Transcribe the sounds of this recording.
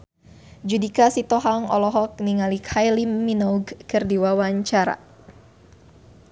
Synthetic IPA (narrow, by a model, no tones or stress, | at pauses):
d͡ʒudikasit̪ɔɦaŋɔ̰lɔɦɔk̚niŋalikʰajlimːinɔuɡkɨrdiwawaɲt͡ʃaɾa̰